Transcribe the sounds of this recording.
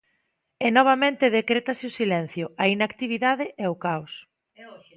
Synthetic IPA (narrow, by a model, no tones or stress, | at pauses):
ɛnɔβ̞amẽnt̪ɪð̞ekɾet̪asɪʊsilɛn̟θjʊɐinakt̪iβ̞iðaðɪʔɛʊkaws